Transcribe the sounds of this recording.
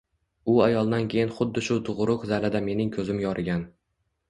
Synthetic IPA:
ʊajɒlˠd̪ankʲʰe̞jɪnχʊd̪ːɪʃʊt̪ʰʊʁɾʊqzalad̪ame̞nɪŋkʲʰɵzɪmjɒɾʔɪɡʲan

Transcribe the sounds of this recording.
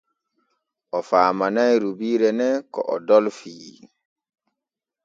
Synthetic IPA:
ʔɔfaːmanajɾubiːɾɛnɛkɔ̰ʔɔdɔlfiː

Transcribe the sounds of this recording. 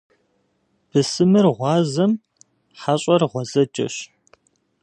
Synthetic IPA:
b̥ɨsɨmɨrʁʷɑːzɐm | ħaɕʼɐrʁʷɔzɐt͡ʃʼɐ̰ɕ

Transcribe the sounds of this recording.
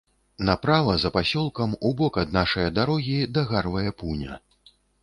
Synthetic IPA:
napɾavɐzɐpasʲɔlˠkɐmubɔkɐd̪̚naʂɐjɐd̪aɾɔɣʲid̪aɣarvɐjɛpunʲɐ̰

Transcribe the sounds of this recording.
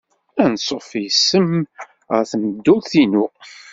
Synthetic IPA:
ænsˤofijsəm | θəməd̪ːulθinu

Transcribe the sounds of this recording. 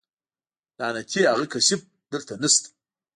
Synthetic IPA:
d̥anatʲʰeaʁəkʰaɕip̚ | d̪ɨrt̪ʰanɨst̪ʼ

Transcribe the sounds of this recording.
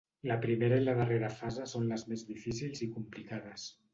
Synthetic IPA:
ləpɾimeɾəiləðəreɾəfazesonləzmezðifisilˠzikumplikað̞əs

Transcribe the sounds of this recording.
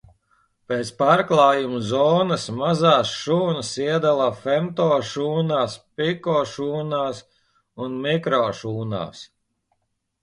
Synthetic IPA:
peːt̪spaːɾklˠaːjumuzɔːnɐsmazaːsʃuːnɐsiɛd̪alˠafɛmt̪ɔːʃuːnaːspikɔːʃuːnaːs | unmikɾɔːʃuːna̰ːs

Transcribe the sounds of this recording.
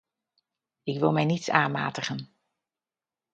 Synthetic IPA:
ɪkʋɪlˠmɛjnitsaːnma̰ːtəχən

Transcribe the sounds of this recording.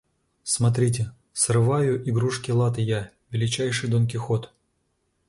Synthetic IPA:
smɐt̪ɾʲitʲɪ | srɨvajʊʔɪɡɾuʂkʲɪlˠat̪ɨja | vʲɪlʲɪt͡ɕæjʂɨjd̪onkʲɪxot̪

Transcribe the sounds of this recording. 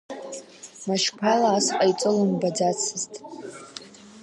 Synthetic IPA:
maʃpʰalaːsqʼait͡sʷʼɨlɨmbad͡zat͡sʰɨztʼ

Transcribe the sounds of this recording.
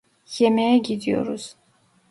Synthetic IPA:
jɛmɛjɛɡid̪ijo̰ɾuz̥

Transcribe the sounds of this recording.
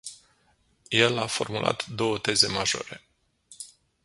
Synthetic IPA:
je̞lafo̞rmulʔa̰t̪d̪o̞wət̪e̞ze̞maʒo̞̰ɾe̞

